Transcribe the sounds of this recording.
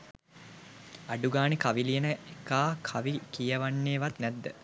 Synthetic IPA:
ɐɖuɡaːnikaʋilijenəekaːkʰaʋikijɐʋanːeːʋat̪næd̪ːə

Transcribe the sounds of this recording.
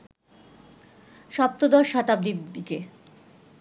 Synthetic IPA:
ʃɔp̚t̪od̪ɔɾʃat̪ab̚d̪ibd̪ike

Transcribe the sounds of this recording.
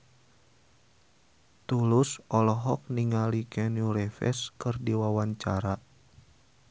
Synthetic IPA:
t̪ulusɔlɔɦɔk̚niŋalikɛnuɾɛfɛ̰skɨrdiwawaɲt͡ʃaɾa

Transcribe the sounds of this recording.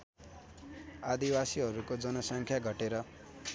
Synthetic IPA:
ad̪iwasiɦʌɾukod͡zʌnʌsʌŋkʰjaɡʱʌʈeɾʌ

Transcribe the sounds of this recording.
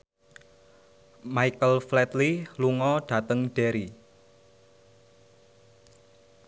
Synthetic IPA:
maikəlflɛt̪liluŋɔɖ̥a̤t̪əŋɖ̥ɛɾi

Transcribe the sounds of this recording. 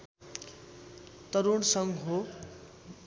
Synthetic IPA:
t̪ʌɾuɽsʌŋɡɦo

